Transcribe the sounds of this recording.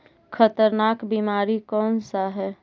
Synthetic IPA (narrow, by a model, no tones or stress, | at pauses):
kʰət̪əɾnaːkbiːmaːɾikɔːnsaɦɛː